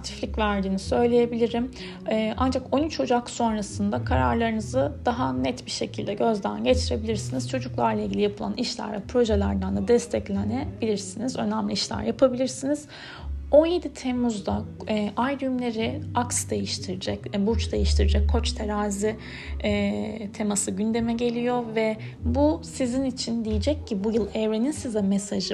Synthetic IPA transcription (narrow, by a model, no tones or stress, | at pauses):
at̪ʰi̥flʲicvæɾd̪iːnisø̞jlʲeje̞bilʲiɾim | ɛːʔand͡ʒako̞nyt͡ʃhod͡ʒakso̞nɾasɯnd̪akʰaɾa̰ɾlˠaɾɯnɯzɯd̪̥aɦanɛt̪biɾʃe̞cʰilʲd̪ɛɟø̞zd̪æ̰nɟe̞t͡ʃʰiɾe̞bilʲiɾsiniz̥t͡ʃʰo̞d͡ʒuklˠaɾlˠailɟilʲijapʰɯlˠa̰niʃlʲæ̰ɾvʲɛpɾo̞ʒelʲæɾd̪and̪ˠad̪ɛst̪ʰɛclʲɛnebilʲiɾsinizø̞̰næmlʲiiʃlʲæ̰ɾjapʰabilʲiɾsiniz̥ | o̞je̞d̪it̪ʰemuzd̪aʔajɾjymlʲe̞ɾiaksd̪e̞jiʃt̪ʰiɾid͡ʒɛcbut͡ʃd̪e̞jiʃt̪ʰiɾid͡ʒɛcʰːo̞t͡ʃt̪ʰeɾaːzi | ɛːt̪ʰemasɯɟynd̪e̞mɛɟe̞lʲijo̞vɛ | busizinit͡ʃʰind̪ijid͡ʒɛcʰːibujɯlˠɛvɾeninsizɛmɛsaʒɯ